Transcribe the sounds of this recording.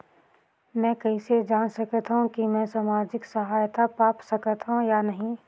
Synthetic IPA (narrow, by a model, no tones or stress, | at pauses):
mɛ̃ːkɐɦised͡ʒaːnsɐkət̪ɦũkimɛ̃ːsaːmaːd͡ʒɪksɐɦaːjt̪apaːpsɐkət̪ɦũjanɐɦĩ